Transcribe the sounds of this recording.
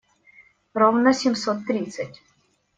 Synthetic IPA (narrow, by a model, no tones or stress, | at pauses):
ɾɔwnɐsʲimsɔt̪ːɾit̪t͡sʲːɐtʲ